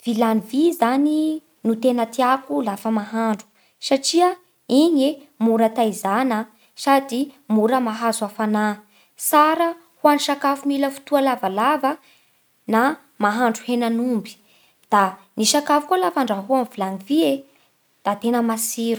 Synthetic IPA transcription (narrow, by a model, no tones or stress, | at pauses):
v̥ilanivizani | nut̪enət̪iakulafəmaɦaɳɖ͡ʐu̥ | saʈ͡ʂiə | iɲe | muɾat̪ajzanə | sad̪imuɾəmaɦazuafana | saɾə | huaniʃakafumiləfu̥t̪ualavalavə | na | maɦaɳɖ͡ʐuhenanumbi̥ | d̪̥a | niʃakafu̥kualafaɳɖ͡ʐaɦuamvilanivie | d̪̥at̪enəmasiɾu̥